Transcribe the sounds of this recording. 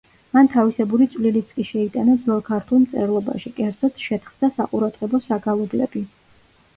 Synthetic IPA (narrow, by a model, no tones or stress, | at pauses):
mant̪ʰavisɛbuɾit̪sʼvlilit̪sʰʼkʼiʃɛit̪ʼanad̪zɔlˠkʰaɾt̪ʰulˠmt̪sʼɛ̰ɾlˠɔba̰ʃikʼɛɾd̪zɔt̪ʰʃɛt̪ʰχd̪asaqʼuɾad̪ʁɛbɔsaɡalˠɔblɛbi